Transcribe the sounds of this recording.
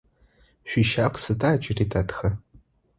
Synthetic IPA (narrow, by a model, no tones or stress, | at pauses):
ʃʷᶣiʃakʷʰsɨtʰʼaːt͡ʃʼɪritʰʼatʰxɐ